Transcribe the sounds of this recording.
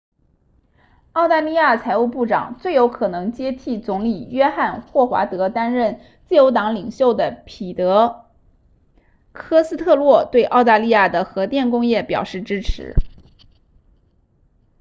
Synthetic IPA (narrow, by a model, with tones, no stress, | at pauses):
ɑ˥˧ʊt̪a˥˧li˥˧ja˥˩t͡sʰa˧˥ɪu˥˧pu˥˩ʈ͡ʂɑ̰˨˩˦ŋt͡swe˥˩ɪjo˧˥ʊkʰɤ˨˩nɤ˧˥ŋt͡ɕjɛ˥t̪ʰi˥˩t͡sʊ˧˥ŋli˨˩ɥɛ˥xa˥˧nxwɔ˥˩xwa̰˧˥t̪ɤ˧˥t̪a˥nɻə˥˩n | t͡sɹ̩˥˩jo˧˥ʊt̪ɑ˧˥ŋli˨˩ŋɕjo˥˩ʊd̪ə˩pʰi˨˩t̪ɤ˧˥ | kʰɤ˥sɹ̩˥t̪ʰɤ˥˧lwɔ˥˩t̪we˥˧ɪʔɑ˥˧ʊt̪a˥˧li˥˧ja˥˩d̪ə˩xɤ˧˥t̪jɛ˥˩nkʊ˥ŋjɛ˥˩pjɑ˨˩ʊʂɻ̩˥˩ʈ͡ʂɻ̩˥ʈ͡ʂʰɻ̩̰˧˥